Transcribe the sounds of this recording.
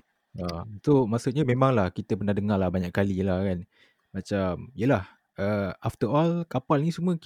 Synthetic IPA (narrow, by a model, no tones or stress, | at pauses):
asomasut̪̚ɲamẽmaŋlahkit̪əpərnahdəŋalahbaɲaʔkːalilahkan | mat͡ʃamiəlah | əaft̪əɾɔlkapalnisumə̃k